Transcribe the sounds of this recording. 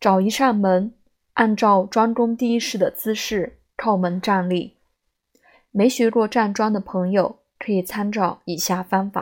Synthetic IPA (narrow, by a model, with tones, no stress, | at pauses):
ʈ͡ʂɑ˨˩ʊi˧˥ʂa˥˩nmə˧˥n | a˥˧nʈ͡ʂɑ˥˩ʊʈ͡ʂwa˥ŋʈ͡ʂʊ˥ŋt̪i˥˩i˥ʂɻ̩˥˩d̪ə˩t͡sɹ̩˥ʂɻ̩˥˩ | tʰɑ˥˩ʊmə˧˥nʈ͡ʂa˥˧nli˥˩ | me˧˥ɪɕɥɛ˧˥ɻwɔ˥˧ʈ͡ʂa˥˩nʈ͡ʂwa˥nd̪ə˨˩pʰɤ˧˥ŋjo˨˩ʊ | kʰɤ˧˥i˨˩t͡sʰa˥nʈ͡ʂɑ˥˩ʊi˨˩ɕja˥˩fa˥nfa̰˨˩˦